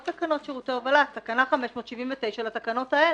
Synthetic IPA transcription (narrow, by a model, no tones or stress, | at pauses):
t̪akano̞t̪ʃeʁut̪eovalat̪akanaχameʃmo̞t̪ʃivinvet̪e̞jʃalat̪akano̞t̪ae